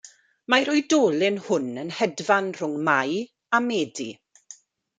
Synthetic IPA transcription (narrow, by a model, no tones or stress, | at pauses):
majɾʊjdoːlɪnhʊnənhɛdvanr̥ʊŋmaj | amɛːdḭ